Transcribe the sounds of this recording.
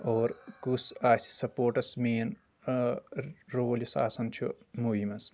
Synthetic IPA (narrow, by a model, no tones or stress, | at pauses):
oːɾkusaːsi̥sɐpoːɾʈɐsmeːn | ɾoːlisa̰ːsɐnt͡ʃʰumuːimɐs